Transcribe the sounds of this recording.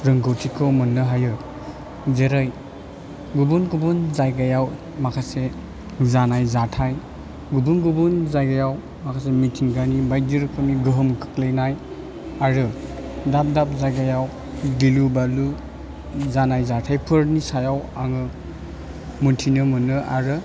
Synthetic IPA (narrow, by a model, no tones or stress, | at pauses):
ɾɯŋɡawtʰikʰɯwmɯnːɯɦajɯ | zeɾɯj | ɡubunɡubunzajɡajaw | makʰase | zanajzatʰaj | ɡubunɡubunzajɡajaw | makʰasemitʰiŋɡanibaj̚diɾɯkʰɯmiɡɯɦɯmkʰɯ̥klejnaj | aɾɯ | dap̚dap̚zajɡajaw | ɡilubalu | zanajzatʰajpʰɯɾnisajawaŋɯ | muntʰinɯmɯnːɯʔa̰ɾɯ